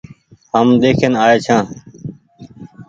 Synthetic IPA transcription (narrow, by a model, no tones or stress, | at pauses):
həmd̪eːkʰeːnaːeːt͡ʃʰãː